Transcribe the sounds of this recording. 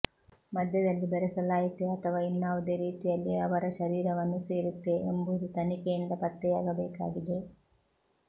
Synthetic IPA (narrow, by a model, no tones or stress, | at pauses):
mɐd̪jɐd̪ɐlːibɐɾɛsɐlaːjit̪eɐt̪ʰɐʋaːinːaːʋɐd̪e̞ːɾiːt̪ijɐlːiɐʋɐɾɐʃɐɾiːɾɐʋɐnːuseːɾut̪ːe̞ːmbud̪ut̪ɐnikɛjind̪ɐpɐt̪ːɛjaːɡɐbɛːka̰ːɡid̪e̞